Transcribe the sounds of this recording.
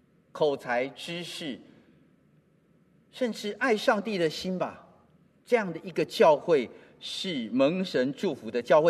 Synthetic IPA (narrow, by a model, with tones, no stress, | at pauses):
kʰo˨˩ʊt͡sʰa˧˦˥ɪʈ͡ʂɻ̩˥ʂɻ̩˥˩ | ʂə˥˧nʈ͡ʂɻ̩˥˧ʔa˥˧ɪʂɑ˥˧ŋt̪i˥˨d̪ə˨ɕi˥nba˨ | ʈ͡ʂɤ˥˧jɑ˥˩ŋd̪ə˩i˦˥ɡə˨t͡ɕjɑ˥˧ʊxwe˥˩ɪ | ʂɻ̩˥˩mə˧˥ŋʂə˧˦˥nʈ͡ʂu˥˩fu˨˦d̪ə˧t͡ɕjɑ˥˧ʊxwe˥˩